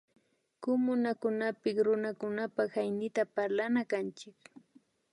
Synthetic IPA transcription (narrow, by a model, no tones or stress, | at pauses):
kʊmʊnakʊnapɪkɾʊnakʊnapahajnɪt̪apaɾlanakant͡ʃɪk